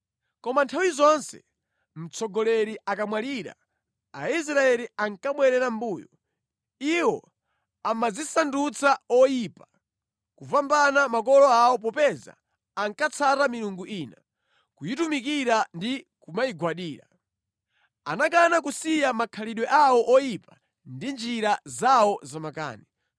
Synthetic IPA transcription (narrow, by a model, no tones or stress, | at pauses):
kɔmantʰawizɔnsɛ̰ | m̩t͡sɔɡɔlɛɾiʔakamwaliːɾa̰ | a̰is̬ɾaɛliaŋkaɓwɛɾɛɾambuːjɔ̰ | iwɔ̰ | amazisandut͡saɔjipḁ | kuvambanamakɔlɔawɔp̬ɔpɛza̰ː | ŋkat͡sʰatamiɾuŋɡuʔiːna | kujitumik̬iɾandikumajiɡwaɗiːɾa̰ | a̰nak̬anak̬usijamakʰaliɗwɛʔawɔʔɔjipḁ | ndind͡ʒiɾazawɔzamaka̰ːni